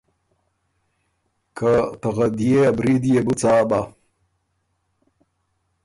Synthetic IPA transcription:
kʰat̪aɣad̪jeabɾid̪jebut͡saːba

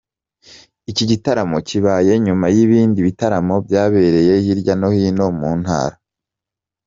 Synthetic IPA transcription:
iciɟitaɾamo̞ciβaːje̞ɲumajiβiːndiβitaɾamo̞bɟaːβe̞ɾe̞je̞hiɾɟano̞hino̞muːn̥ha̰ːɾa

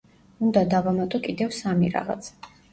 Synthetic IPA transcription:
und̪ad̪avamat̪ʼɔkʼid̪ɛvsamiɾa̰ʁa̰t̪sʰɛ̥

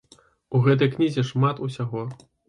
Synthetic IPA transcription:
uɣɛt̪̬ɐjknʲizʲɛʂmat̪usʲaɣɔ

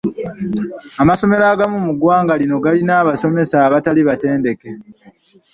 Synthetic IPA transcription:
amaso̞me̞ɾaːɡamumuɡwaːŋɡalino̞ɡalinaːβaso̞me̞saːβataliβate̞ːnde̞ke̞

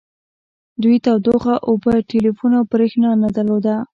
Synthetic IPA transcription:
d̪ujt̪awd̪oxaʔobəʈelifunawpɾexnɑnad̪əlod̪a

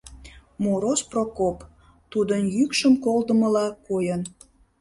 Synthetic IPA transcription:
moɾosprokop | t̪ud̪ənjykʃəmkold̪əməlɑkojən

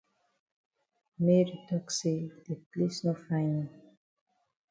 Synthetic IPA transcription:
meɾitɔksed̪eplesnofãjnĩ

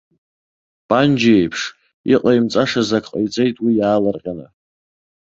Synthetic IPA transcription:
pʼand͡ʒaejpʰʂ | ḭqʼajmt͡sʼaʂazakʰʼqʼajt͡sʼe̞jtʼwijaːlarqʲʼana

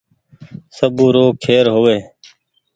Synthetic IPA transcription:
səbũːɾoːkʰeːɾɦoːʋeː

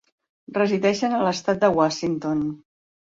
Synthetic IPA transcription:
rəziðɛʃənələst̪at̪̚d̪əwaʃint̪on

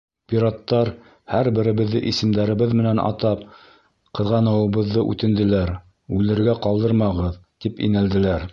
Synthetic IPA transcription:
pʲiɾɑt̪ːɑɾ | hæɾbɘ̆ɾɘ̆βɘ̆ðːɘ̰ʔisɘ̆md̪æɾɘ̆βɘðmɘ̆nænʔɑ̰t̪ɑp | qɤ̆ðʁɑnɤ̆wɤ̆βɤ̆ðːɤʔʉ̰t̪ɘ̆nd̪ɘ̆læɾ | ʉlɘ̆ɾɡæqɑlˠd̪ɤɾmɑʁɤðt̪ipḭnæld̪ɘ̆læɾ

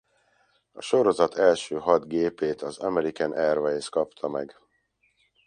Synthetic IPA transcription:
ɒ̰ʃo̞ɾo̞zɒt̪ʰɛlʃøːɦɒd̪ɡeːpeːt̪ʰɒzɒmɛɾikanʔɛrvɛskɒpt̪ʰɒmɛɡ

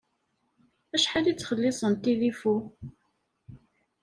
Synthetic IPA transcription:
æʃħad̪it͡sːχəlːɪsˤənt̪ilifu

